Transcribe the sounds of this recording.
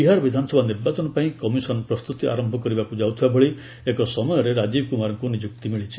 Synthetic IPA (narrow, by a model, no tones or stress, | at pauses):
biɦaɾɔbid̪ʱanɔsɔbʱaniɾbat͡ʃɔnɔpaĩkɔmisɔnɔpɾɔst̪ut̪iʔa̰ɾɔmbʱɔkɔɾibakud͡ʒawt̪ʰibabɔɭi | ekɔsɔmɔjɔɾeɾad͡ʒibʱɔkumaɾɔŋkunid͡ʒuk̚t̪imiɭit͡ʃʰi̥